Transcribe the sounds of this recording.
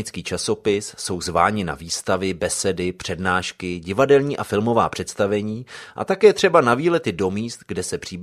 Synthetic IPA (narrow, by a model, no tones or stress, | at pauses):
ɪt͡skiːt͡ʃaso̞pɪsːo̞wzva̰ːɲɪna̰viːst̪avɪbɛsɛdɪpr̝̥ɛdnaːʃkɪɟɪvadɛlɲiːʔafɪlmo̞va̰ːpr̥ɛt̪st̪avɛɲiːʔa̰t̪akɛːt̪r̝̥ɛbanaviːlɛt̪ɪdo̞miːst̪ɡdɛsɛpr̝̥iːb